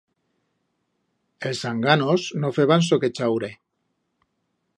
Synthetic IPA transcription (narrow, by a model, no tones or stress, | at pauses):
elsaŋɡanoznofeβans̬oket͡ʃawɾe